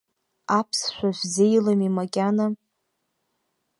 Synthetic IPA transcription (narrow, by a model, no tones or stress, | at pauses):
apʰsʃʷᶣaʒʷzejlamimakʲʼana